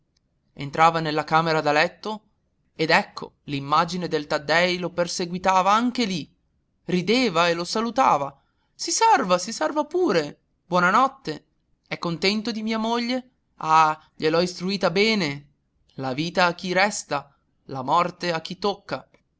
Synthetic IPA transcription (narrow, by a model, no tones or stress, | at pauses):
ḛnt̪ɾaːvanelːakaːmeɾad̪alɛt̪ːo | ed̪ɛkʰːo̰limːad͡ʒined̪elt̪ad̪ːɛjloperseɡwit̪aːvaaŋk̟eli | rid̪eːvaelosalut̪a̰ːva | sisɛrvasisɛrvapuːɾe | bwɔːnanɔt̪ːe | ɛkːont̪ɛnt̪od̪imiːamoʎːe | a | ʎelɔist̪ɾuiːt̪abɛːne | laviːt̪aːk̟ːiɾɛst̪a | lamɔrt̪eak̟ːit̪ːokːa